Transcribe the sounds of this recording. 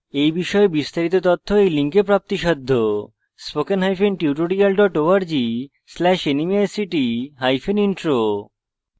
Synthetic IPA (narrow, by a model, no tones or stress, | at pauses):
ejbiʃɔebist̪aɾit̪̬ot̪ɔt̪ʰːoejliŋkepɾap̚t̪iʃɔd̪ʱːo | spokenɦajfenʈiwʈoɾɾialɖɔʈoaɾd͡ʑi | slɛʃenimiasiʈiɦajfeniɳʈɾo